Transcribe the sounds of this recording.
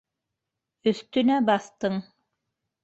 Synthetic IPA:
ɵ̆θt̪ɵ̆næbɑθt̪ɤɴ

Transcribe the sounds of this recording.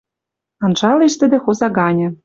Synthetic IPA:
ɑnʒɑleʃt̪ɘ̆d̪ĕxozɑɡɑnʲɤ̆

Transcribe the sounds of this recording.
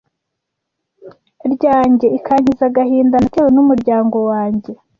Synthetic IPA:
ɾɟaːɲɟe̞ikʰaːɲ̥hizaɡahiːndanatewonumuɾɟaːŋɡo̞waːɲɟe̞

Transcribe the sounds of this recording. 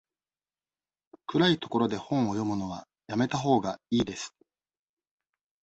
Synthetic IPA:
kɯ̟ɾait̪o̞̥ko̞ɾo̞d̪e̞hõ̞ɰ̃o̞jo̞mɯ̟no̞β̞a | jame̞t̪aɦo̞ːɡaiːd̪e̞sɨ̥

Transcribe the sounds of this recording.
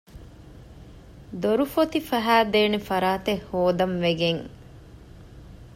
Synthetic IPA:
d̪oɾufot̪ifæɦæːd̪eːnefɐɾaːt̪ehoːd̪ɐmʋeɡeŋ

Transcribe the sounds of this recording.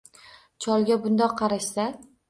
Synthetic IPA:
t͡ʃʰɒlˠɡʲabʊnd̪ɒqʰːɑɾaʃsa

